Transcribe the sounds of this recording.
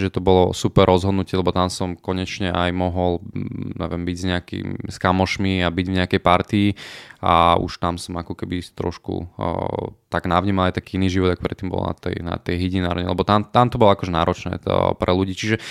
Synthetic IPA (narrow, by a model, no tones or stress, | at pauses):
ʒɛt̪ɔbɔlɔsupɛrːɔzɦɔd̪nucɪɛlɛbɔt̪amsɔmkɔɲɛt͡ʃɲɛʔajmɔɦɔlɲɛ̰ʋɛmbiɟzɲɛakḭmskamɔʃmiabiɟvɲɛakɛjpaɾt̪iia̰ṵʃt̪amsɔmakɔkɛbit̪ɾɔ̰ʃkṵ | t̪aɡnaʋɲiːmalˠajt̪akiːiniːʒiʋɔd̪ak̚pɾɛt̪ːiːmbɔ̰lna̰t̪ɛ̰jna̰t̪ɛjɦiɟinaːɾɲɛlɛbɔt̪amt̪amt̪ɔbɔlɔakɔʒɛnaːɾɔt͡ʃnɛ̰ːpɾʔɛluɟiːt͡ʃiʒɛ